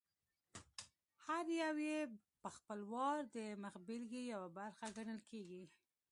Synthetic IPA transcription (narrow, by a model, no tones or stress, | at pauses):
haɾjawje | pəxpəlwɑɾd̪əmaxbɪlɡejawabaɾxaɡaɳəlkʰeɡi